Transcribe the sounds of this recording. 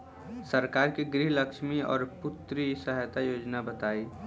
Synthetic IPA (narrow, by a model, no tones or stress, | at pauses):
səɾkaːɾkiɡɾɪɦləkʃmiɔ̰ːɾpʊt̪ɾisəɦat̪ajoːd͡ʒnabɐt̪aːiː